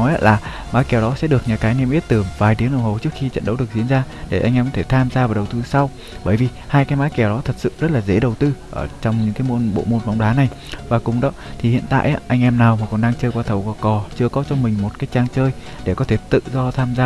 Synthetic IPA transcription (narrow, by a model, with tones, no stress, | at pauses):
ɔ˨˦jʔaː˨˧laː˨˩ | maː˨˦jkɛ˧˩wɗɔ˨˦sɛ̰˧˥ɗɨ˨˩ək̚ɲaː˨˩kaː˨˦jnɛ˧mʔi˦˥ət̚t̪ɨ˧˩vaː˨˩jt̪i˨˦əŋɗə˨˩whə˨˩t͡ɕɨ˦˥ək̚xi˧t͡ɕə̰˧˨nɗə̰˨˦wɗɨ˨˩ək̚zi˧˨ənzaː˧ɗe˧˩ʔa˧jŋʔɛ˧mkɔ˨˦t̪ʰe˧˩t̪ʰaː˧mzaː˧vaː˨˩ɗə˨˩wt̪ɨ˧sa˧w | ɓəː˧˩jvi˨˩haː˧jkaː˨˦jmaː˨˦kɛ˧˩wɗɔ˨˦t̪ʰə˨˩t̚sɨ̰˧˨zə˦˥t̚laː˨˩zḛ˧˥ɗə˨˩wt̪ɨ˧ʔəː˧˩t͡ɕɔ˧wŋ͡mɲɨ̰˧˥ŋkaː˨˦jmo˧nɓo̰˧˨mo˧nva˨˦wŋ͡mɗaː˨˦na˨˩j | vaː˨˩kʊ˨˩ŋ͡mɗɔ˨˦t̪ʰi˨˩hḭ˧˨ənt̪a̰ː˧˨jʔaː˨˧˦ʔa˧ŋʔɛ˧mnaː˨˩wmaː˨˩kɔ˨˩nɗaː˧ŋt͡ɕəː˧jkwaː˧t̪ʰə˨˩wkɔ˨˩kɔ˨˩t͡ɕɨ˧əkɔ˨˦t͡ɕɔ˧mï˨˩ŋ̟mo˨˩t̚kaː˨˦jt͡ɕaː˧ŋt͡ɕəː˧j | ɗe˧˩kɔ˨˦t̪ʰe˧˩t̪ɨ̰˧˨zɔ˧t̪ʰaː˧mzaː˧